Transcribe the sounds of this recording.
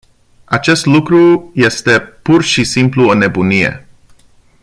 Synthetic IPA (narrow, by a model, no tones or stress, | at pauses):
at͡ʃe̞st̪lukɾuje̞st̪e̞purʃisimpluone̞bunije̞̰